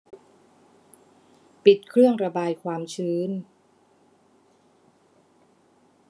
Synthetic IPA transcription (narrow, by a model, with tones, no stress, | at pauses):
pi˨˩t̪̚kʰɾɯ˥˩əŋɾa˧baː˧jkʰwaː˧mt͡ɕʰɯː˧˥n